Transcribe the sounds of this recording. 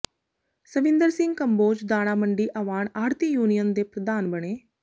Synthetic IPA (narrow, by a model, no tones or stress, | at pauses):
səʋɪ̃nd̪əɾsɪ̃ŋɡkəmboːd͡ʒd̪aːɽ̃aːməɳɖiːʔəʋaːɳaːɾt̪ijuːnɪjənd̪eːpɾəd̪aːnbəɽ̃eː